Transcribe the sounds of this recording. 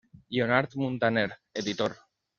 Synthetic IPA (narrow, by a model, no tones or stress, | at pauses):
ʎonaɾt̪mũnt̪aneɾeðit̪oɾ